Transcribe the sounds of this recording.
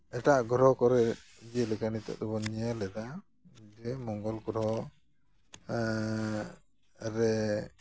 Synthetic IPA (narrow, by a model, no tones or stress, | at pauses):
ɛʈaʔɡɔɾɔkɔɾɛ | d͡ʒelɛkanit̪ɛ̰d̪ubɔɲijalɛd̪a | d͡ʒɛmɔŋɡɔlɡɔɾɔ | ɾɛ